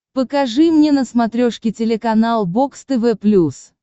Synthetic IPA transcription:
pəkɐʐɨmnʲenəsmɐt̪ɾʲoʂkʲɪtʲɪlʲɪkɐnalˠbokst̪ɛvɛplʲus

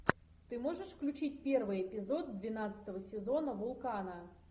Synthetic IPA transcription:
t̪ɨmoʐɨʂfklʲʉt͡ɕit̚ʲpʲervɨjɛpʲɪzod̪̚d̪vʲɪnat̪sə̥t̪əvəsʲɪzonəvʊlˠkanə

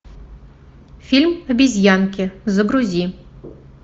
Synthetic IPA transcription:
fʲilʲmɐbʲizʲjankʲezəɡɾuzʲi

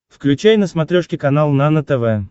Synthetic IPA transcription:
fklʲʉt͡ɕæjnəsmɐt̪ɾʲoʂkʲɪkɐnalˠnanət̪ɛvɛ

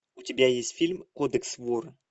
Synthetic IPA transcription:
ʊtʲɪbʲajesʲtʲfʲilʲmkod̪əksvor

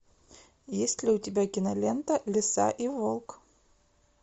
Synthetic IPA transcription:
jesʲtʲlʲɪʊtʲɪbʲakʲɪnɐlʲent̪əlʲɪsa̰ʔivolˠk

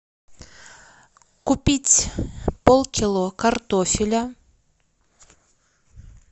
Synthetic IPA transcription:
kʊpʲitʲpolˠkʲɪlˠokart̪ofʲɪlʲa

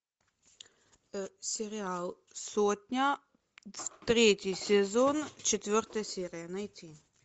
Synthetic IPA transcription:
sɛɾial | soːt̪nʲa | t̪ɾeːt̪ʲisɛzont͡ʃɛt̪ʋəɾt̪ɛsɛɾiɛnajt̪i

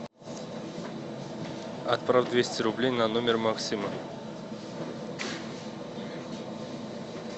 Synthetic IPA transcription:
ɐt̪pravd̪vʲesʲtʲɪɾublʲejnanomʲɪrmaksʲimə

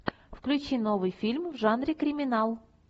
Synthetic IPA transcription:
fklʲʉt͡ɕinovɨjfʲilʲmvʐanɾʲɪkɾʲɪmʲɪnɑlˠ

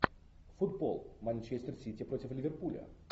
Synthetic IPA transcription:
fʊd̪bo̰lˠmanʲt͡ʃesʲt̪ʲərsʲitʲipɾotʲɪflʲɪvʲɪrpulʲə̰

